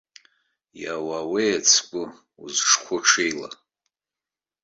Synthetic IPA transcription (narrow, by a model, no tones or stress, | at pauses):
jawawejat͡sʰkʷʼʊ | uzʂχʷʊʈ͡ʂʰejla̰